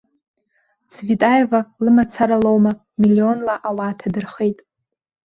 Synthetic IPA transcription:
t͡sʰʼvitʼajvalɨmat͡sʰaɾalowma | milio̞nlaʔawaːtʰadɨrχe̞jtʼ

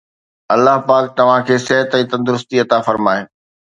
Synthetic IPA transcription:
ɐlːaɦpaːk̚t̪ɐʋ̤ãkʰeːsɪɦət̪ɛ̃ːt̪ɐ̃nd̪ʊɾʊst̪iɐt̪afɐɾmaːe

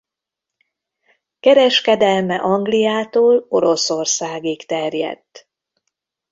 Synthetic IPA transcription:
kɛɾɛʃkɛd̪ɛlmɛʔɒŋɡlijaːt̪oːlo̞ɾo̞so̞rsaːɡikt̪ɛrjɛ̰t̪ː

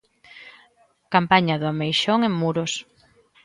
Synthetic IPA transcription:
kampaɲɐðʊamejʃoŋeŋmːuɾos

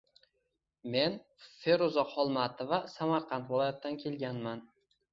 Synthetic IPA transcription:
me̞n | fe̞ɾozɒqhɒlˠmat̪ʰɪvasamaɾqʰɑnt̪vɪlˠɒjat̪ːankʲʰe̞lɡʲanman

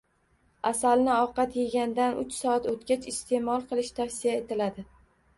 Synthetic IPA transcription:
asalnɪɒqɑt̪jeɡʲand̪anʊ̰t͡ʃsɒat̪ot̪ɡʲat͡ʃʰɪst̪ʰe̞mɒlˠqʰɨlˠɪʃt̪ʰafsijae̞t̪ʰɪlad̪ɪ

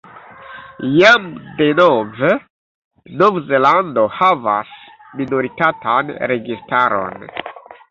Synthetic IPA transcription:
jamde̞nove | novzelando̞hava̰s | minoɾitatanɾe̞ɡistaɾo̞̰n

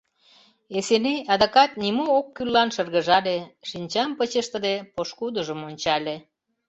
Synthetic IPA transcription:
eseneɑd̪ɑkɑt̪̚nʲimookːylːɑnʃərɣəʒɑlʲeʃinʲt͡ɕɑmpət͡ɕəʃt̪ə̆d̪epoʃkud̪əʒəmonʲt͡ɕɑlʲe

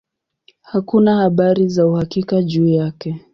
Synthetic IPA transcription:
hakunahaɓaɾizauhakikaʄuːjakɛ

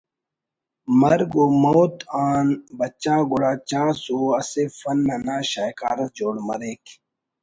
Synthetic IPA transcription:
mɐɾɡoːmoːt̪aːnbɐt͡ɕaːɡʊɽaːt͡ɕaːsoːɐsefɐnːɐnaːɕaːjka̰ːɾɐd͡ʑoːɽmɐɾeːk

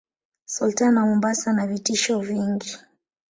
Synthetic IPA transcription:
sultanamɔmbasanavitiʃɔviŋɡi

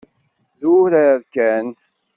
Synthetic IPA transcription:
ðuɾæɾkæn

